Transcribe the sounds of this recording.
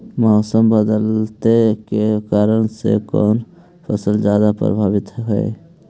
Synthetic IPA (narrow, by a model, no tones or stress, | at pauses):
mɔːsəmbəd̪əlt̪ekekaːɾəɽ̃sḛkɔ̰ːn | pʰəsəld͡ʒjaːd̪apɾə̰bʱaːʋɪt̪ɦɦɛ̰e